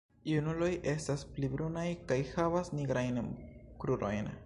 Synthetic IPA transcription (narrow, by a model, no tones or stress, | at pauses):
iunulo̞jʔe̞stasplibɾunajkajhavasniɡɾajnkɾuɾo̞̰jn